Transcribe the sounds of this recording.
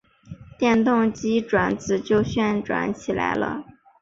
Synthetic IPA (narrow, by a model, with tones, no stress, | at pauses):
t̪jɛ˥˧nt̪ʊ˥˩ŋt͡ɕi˥ʈ͡ʂwa˧˩˥nt͡sɹ̩˨˩t͡ɕjo˥˧ʊɕɥɛ˥˧nʈ͡ʂwa̰˧˥nt͡ɕʰi˨˩la̰˧˥ɪlə̰˧